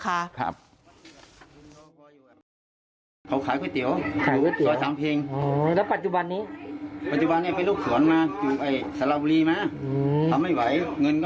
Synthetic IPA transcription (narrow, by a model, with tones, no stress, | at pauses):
kʰa˧˩kʰa̰˧˩p̚ | kʰɔː˧juː˧˩ka˧˩ | kʰa˨˦wkʰaː˨˦jkʰɔ˧˥˩jt̪i˨˦ə˦wkʰa˨˦˧kɔː˧˩jt̪i˨ɔː˧˦saː˨˦mpʰeː˧ŋː˧lɛː˦˥˩wpa˧˩t̪̚t͡ɕu˧ba˧nːiː˦˥˩pa˧˩t̪̚t͡ɕu˧ba˧nːiː˧˩pa˧jloː˥˩k̚su˨˦ənmaː˧juː˨˩pa˧˩jsaː˧˦laː˧bu˧liː˧˩maː˧˨˧a˧mha˧˩jwa˧˦˩jŋɤ˧nk